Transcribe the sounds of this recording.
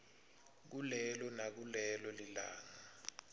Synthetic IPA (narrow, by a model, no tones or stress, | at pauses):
k̬ulɛlɔnak̬ulɛlɔlila̰ːŋa